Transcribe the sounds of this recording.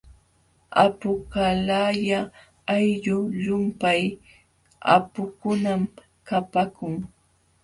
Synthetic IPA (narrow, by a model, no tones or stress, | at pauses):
a̰pʊkalajaː | jʎʊʎʊmpaj | a̰pʊkʊnam | kapakʊŋ